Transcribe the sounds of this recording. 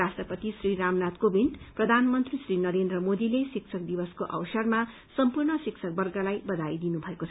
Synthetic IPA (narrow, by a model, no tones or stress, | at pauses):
asʈrʌpʌt̪isriɾamnat̪kobinprʌd̪ʱanmʌnt̪risrinʌɾend̪rʌmod̪ilesik̚t͡sʰʌk̚d̪ibʌskoʔʌ̰wsʌrma | sʌmpurɳʌsikt͡sʰʌk̚bʌrɡalajbʌd̪ajd̪inubʱʌekot͡sʰ